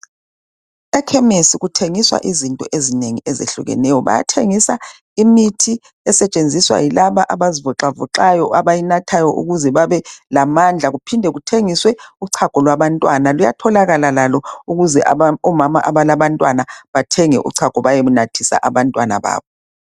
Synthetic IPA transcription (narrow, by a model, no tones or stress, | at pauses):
ɛkʰɛmesiɣutʰeŋiswa̰ʔizintʼɔ̰ʔezineŋiezḛɬṵɣɛ̰nɛjɔβa̰ja̰tʰeŋisa | imitʰi | ɛsɛt͡ʃʼend͡zʱiswa̰jilaβaʔaβazivɔǁavɔǁajɔaβajinatʰajɔʔṵɣuzɛβaβɛlamand͡ɮʱaɣupʰindʱɛɣutʰeŋiswɛuǀʰaɡ̥ʱɔlwaβantʼwanaluja̰tʰɔlaɣalalalɔuɣuzɛʔaɔmamaʔaβalaβantʼwanaβatʰɛŋɛ̰ʔṵǀʰaɡ̥ʱɔβajeβunatʰisa̰ʔaβantʼwana̰βa̰ːβɔ